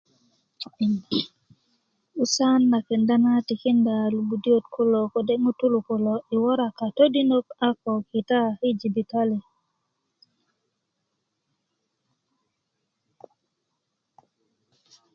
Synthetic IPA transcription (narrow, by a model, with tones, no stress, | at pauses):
u˦sa˦nːa˨ke˨nda˦na˦ti˨ki˦nda˨lu˨ɡu˨djo˦tkʰo˦lo˨ko˨de˦ŋo˦tu˦lu˨ko˨lɔ˨ʔɪ˨wɔ˦ɾa˨ka˨to˦di˦no˦ka˦kɔ˨ki˨ta˦i˦d͡ʒi˨bi˨ta˦li˨